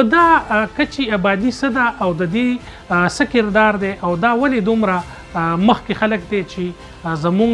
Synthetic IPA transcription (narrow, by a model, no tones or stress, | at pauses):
d̪akət͡ʃeabɑd̪isəd̪aʔːwd̪əd̪e | səkɪɾd̪ɑɾd̪eʔawd̪awaled̪umɾa | məxkexaləkd̪et͡ʃe | zamu